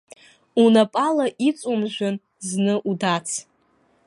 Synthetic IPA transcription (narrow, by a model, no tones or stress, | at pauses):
unapʼalaʔit͡sʷʼumʒᶣʷan | znɨʔudat͡sʰ